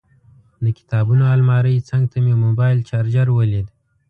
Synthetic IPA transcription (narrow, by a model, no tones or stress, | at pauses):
d̪əkʲɪ̥t̪ɑbunoɑlmɑɾəjt͡səŋɡ̚t̪ʰamemobɑjlt͡ʃɑɾd͡ʒaɾwəled̪